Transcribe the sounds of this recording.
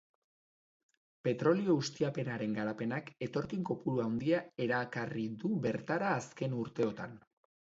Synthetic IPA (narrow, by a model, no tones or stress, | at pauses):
pe̞t̪ɾo̞lio̞ɣust̪iape̞naɾe̞ŋɡaɾape̞nake̞t̪o̞ɾkiŋko̞puɾuawnd̪iae̞ɾakariðuβe̞ɾt̪aɾaːske̞nuɾt̪e̞o̞t̪a̰n